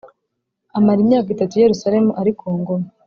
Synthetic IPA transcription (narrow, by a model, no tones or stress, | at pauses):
amaɾimɲaːkitatuje̞ɾusaɾe̞muʔaɾikʰoːŋɡoma